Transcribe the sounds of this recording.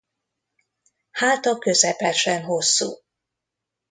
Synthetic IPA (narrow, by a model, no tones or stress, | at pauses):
haːt̪ɒkø̞zɛpɛʃɛnɦo̞sːṵː